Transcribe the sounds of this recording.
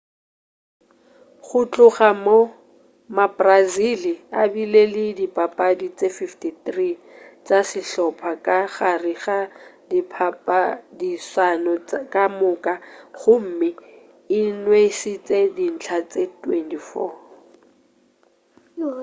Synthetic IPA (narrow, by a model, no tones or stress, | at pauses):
χʊt͡ɬʼʊχamo | mabʼraziliabilelɪdipʼapʼadit͡sʼefiftitrit͡sʼasɪɬɔpʰakʼaɣariχadipʰapʼadisanɔkʼamʊkʼaχʊm̩mɪ | ɪnwesit͡sʼedin̩t͡ɬʰat͡sʼetwɛntifɔ̰ː